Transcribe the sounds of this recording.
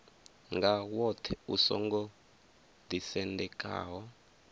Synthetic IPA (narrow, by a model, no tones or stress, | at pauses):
ŋɡawɔtʰɛusɔ̰ŋɡɔ | d̪isɛndɛkʼa̰ːɦɔ